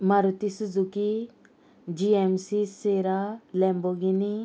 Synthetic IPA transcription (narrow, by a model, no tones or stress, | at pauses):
maɾut̪isud͡zuki | d͡ʒiɛmsiseɾalɛmboɡini